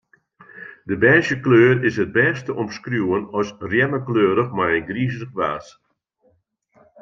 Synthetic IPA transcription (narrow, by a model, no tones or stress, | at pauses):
dəbɛːʃjəkløːɾɪsət̚bɛːstəɔmskrjuːənɔsrjɛməkløːɾəxmajənɡriːzrəxʋaːs